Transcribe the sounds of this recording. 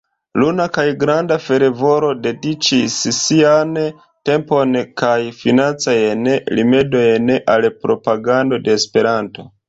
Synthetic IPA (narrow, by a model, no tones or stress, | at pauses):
lunakajɡɾandafe̞ɾe̞vo̞ɾo̞de̞dit͡ʃissian | te̞mpo̞nkajfinant͡sajenlime̞do̞jnʔalpɾo̞paɡando̞de̞ːspe̞ɾanto̞